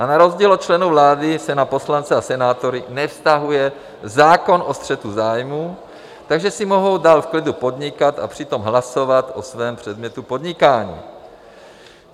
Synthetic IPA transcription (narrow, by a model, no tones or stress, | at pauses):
anaɾo̞zɟiːlot͡ʃlɛnuvlaːdɪsɛnapo̞slant͡sɛasɛnaːt̪o̞ɾɪnɛfst̪aɦujɛ | zaːko̞nʔo̞st̪r̝̥ɛt̪uzaːjmuː | t̪aɡʒɛsɪmo̞ɦo̞wdaːlfklɪdupo̞d̪ɲɪkat̪a̰pr̝̥ɪt̪o̞mɦlaso̞vat̪ʔosvɛːmpr̝̥ɛd̪mɲɛt̪upo̞d̪ɲɪkaːɲḭː